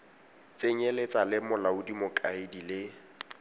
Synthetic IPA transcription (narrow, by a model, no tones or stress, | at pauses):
t͡sʼeɲelet͡sʼalɪmʊlaʊdimʊkʼaɪdilɪ